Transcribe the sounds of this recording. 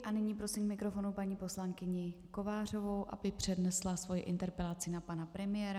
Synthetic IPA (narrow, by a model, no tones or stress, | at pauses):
ʔanɪɲiːpɾo̞sɪmkmɪkɾo̞fo̞nupaɲiːpo̞slaŋkɪɲɪko̞vaːr̝o̞vo̞wʔa̰bɪpr̝̥ɛdnɛslasvo̞jɪʔɪnt̪ɛɾpɛlat͡sɪnapanapɾɛmɪjɛːɾa